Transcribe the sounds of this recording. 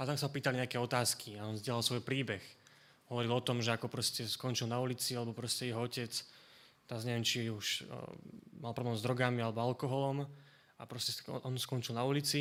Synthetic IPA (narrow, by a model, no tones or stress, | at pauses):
at̪aksapiːt̪aliɲɛakɛːɔt̪aːskʰiaɔnvzɟɛlalˠsʋɔjpɾiːbɛx | ɦɔʋɔɾilɔt̪ɔmʒɛakɔpɾɔscɛskɔɲt͡ʃilnaulit͡sialɛbɔpɾɔscɛjɛɦɔɔcɛt͡s | t̪ɛzɲɛʋɛmt͡ʃiuʃ | malpɾɔblɛːmzd̪ɾɔɡamialɛbɔalkɔɦɔlɔm | apɾɔscɛsʔɔnskɔnt͡ʃilnaulit͡si